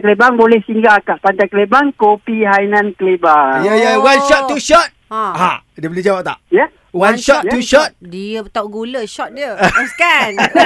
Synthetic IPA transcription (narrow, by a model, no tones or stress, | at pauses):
kəlebaŋbolɛhsiŋɡakaʔpant̪ajkəlebaŋkopiɦainãnkəlebaŋjajawanʃɔt̪ːuʃɔt̪̚hãɦãdəbeled͡ʒawap̚t̪a̰ʔja | wanʃɔt̪ːuʃɔt̪̚diəpət̪awʔɡuləʃɔt̪̚diəskan